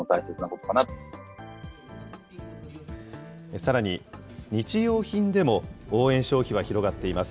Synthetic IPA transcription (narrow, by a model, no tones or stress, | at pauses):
ot̪aise̞t͡sɨnako̞t̪okanat̪o | esaɾaɲ̟iɲ̟it͡ɕijo̞ːçĩnd̪e̞mo̞oːẽ̞ɰ̃ɕo̞ːçiβ̞açiɾo̞ɡat̪ːe̞imasɨ̥